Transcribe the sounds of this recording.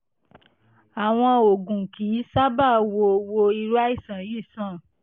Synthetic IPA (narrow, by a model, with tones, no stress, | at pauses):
a˨w̃ɔ̃˧o˨ɡũ˨ki˨˦sa˦ba˦˨wo˧wo˧i˧ɾu˦a˦i˦˨sã˨ji˦˨sã˦˨